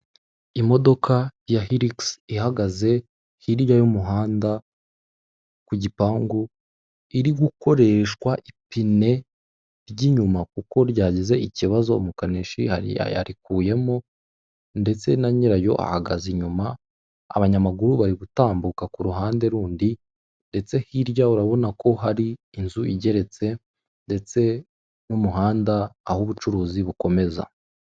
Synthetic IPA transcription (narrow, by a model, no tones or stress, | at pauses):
imo̞do̞kajahiɾiksihaɡaze̞ | hiɾjajomuɦaːnda | kuɟipaːŋɡu | iɾiɡuko̞ɾe̞ʃkwaʔipine̞ | ɾɟiːɲumak̚uko̞ɾɟaːɟeze̞iciβazo̞mukaneʃiha̰ḭa̰ɾikuːje̞mo | nde̞t͡se̞naɲiɾajo̞̰ʔa̰haɡaziɲuma | a̰βaɲamaɡuɾuβaɾiβutaːmbukakuɾuɦaːnde̞ɾuːndi | nde̞t͡se̞hiɾjauɾaβo̞nako̞ɦaɾiː | nzuiɟe̞ɾe̞t͡se̞ | nde̞t͡se̞ | numuɦaːndaːhuβut͡ʃuɾuːziβuko̞me̞za̰